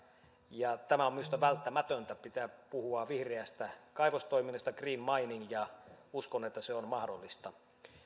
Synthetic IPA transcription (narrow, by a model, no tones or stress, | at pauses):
jɑt̪æmæomiost̪ɑʋælt̪ːæmæt̪ønt̪æpit̪æːpuhuɑʋihreæst̪ækɑiʋost̪oiminːest̪ɑkriːnmɑiniŋjɑuskonet̪ːæseonmɑhdolːist̪ɑ